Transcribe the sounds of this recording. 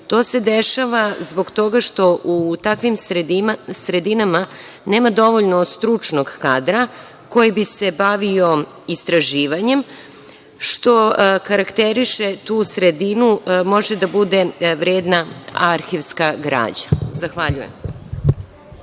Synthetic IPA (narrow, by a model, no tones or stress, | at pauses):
t̪o̞ːse̞d̪eʃaʋazbo̞ɡt̪o̞ɡaʃt̪o̞ʔut̪akʋimɾsɾe̞d̪inama | ne̞ːmad̪o̞ʋo̞ʎnost̪ɾut͡ʂno̞ɡkaːd̪ɾa | ko̞jibise̞baʋio̞ | ist̪ɾaʒiːʋaɲe̞m | ʃt̪o̞kaɾakt̪eɾiʃe̞t̪uːsɾed̪inumo̞ʒed̪abud̪e̞ʋɾeːd̪naaɾxiʋskaɡɾa̰ːd͡ʑḁzaxʋaʎujḛm